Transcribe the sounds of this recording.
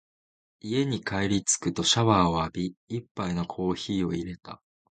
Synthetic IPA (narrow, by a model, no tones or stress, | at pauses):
ie̞ɲ̟ikaiɾʲit͡sɨ̥kɯ̟t̪o̞ɕaβaːo̞abʲiːpːaino̞kʰo̞ːçiːo̞iɾe̞t̪a̰